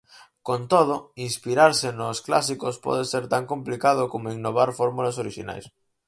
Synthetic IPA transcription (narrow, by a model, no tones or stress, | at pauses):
kont̪oðʊinspiɾaɾsenoskla̰s̬ikospɔ̰ð̞eseɾt̪aŋkõmplikað̞ʊkomoiŋnoβ̞aɾfoɾmulasoɾiʃḭna̰js